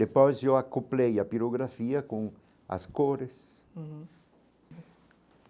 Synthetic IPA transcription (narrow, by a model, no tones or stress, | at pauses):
epɔjzewakuplejɐpiɾoɣɾafiɐkõŋ | a̰skoɾes